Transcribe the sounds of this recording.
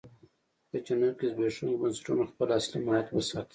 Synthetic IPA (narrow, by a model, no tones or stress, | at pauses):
d̪̥ət͡ʃanakizbeʂuŋɡbansə̥ʈunaxpəlaslimajat̪wəsɑt̪i̥